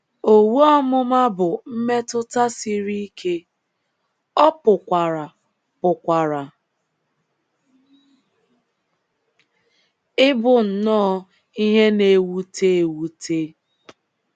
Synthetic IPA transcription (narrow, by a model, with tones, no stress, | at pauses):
o˨wu˦ɔ˦mʊ˦ma˦bʊ˨m̩˦me˦tʊ˦ta˦si˦ɾi˦i˦kʰe˦ | ɔ˦pʊ˨kʷa˨ɾa˨ | pʊ˨kʷa˨ɾa˨ | ɪ˦bʊ˨n̩˨nɔ˦ | i˦ɦe˦ne˨wu˦te˦e˨wu˦tʰe˦